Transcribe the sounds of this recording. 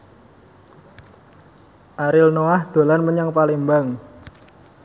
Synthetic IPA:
ʔaɾɪlnoahd̪̥o̤lanməɲaŋpalimbaŋ

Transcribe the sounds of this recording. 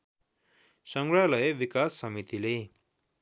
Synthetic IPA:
səŋɡɭjaləjeʋikasːəmit̪ile

